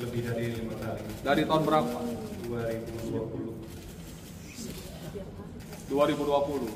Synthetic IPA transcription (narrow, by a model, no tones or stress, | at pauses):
ləbɪhdaɾilimat̪alidaɾit̪aʊnbəɾapaduaɾibuduapulu | duaɾibuduapulu